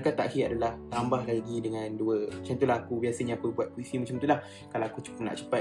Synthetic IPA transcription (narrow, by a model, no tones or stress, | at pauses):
kat̪ːaʔahiadalaht̪ambahlaɡidəŋãnduəmat͡ʃant̪ulaɦakubiasəɲaːkubuat̪̚kuisimat͡ʃəmt̪ulah | kalaakut͡ʃu̥kʊp̚na̰ʔt͡ʃəpa